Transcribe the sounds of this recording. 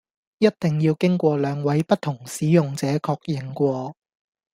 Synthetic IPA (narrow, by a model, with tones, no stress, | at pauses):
jɐ˥t̚t̪ɪ˨ŋjiː˧wkɪ˥ŋkʷɔː˧lœː˨˧ŋwɐ˨˥jpɐ˥t̚t̪ʰːʊ˨˩ŋsiː˨˥jʊ˨ŋt͡sɛː˨˥kʰɔː˧k̚jɪ˨ŋkʷɔː˧